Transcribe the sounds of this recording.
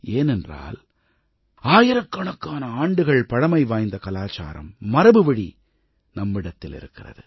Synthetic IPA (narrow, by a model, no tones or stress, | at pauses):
eːnɛndra̰ːl | aːjɪɾɐkːɐɳɐkːaːnɐaːɳɖɯɣɐɭpɐɽɐmɐɪʋaːjnd̪ɐkɐlaːt͡ʃa̰ːɾɐ̰mːɐɾɐbɯʋɐɽḭ | nɐmːɪɽɐt̪ːɪlɪ̰ɾɯkːɪrɐ̰ðɯ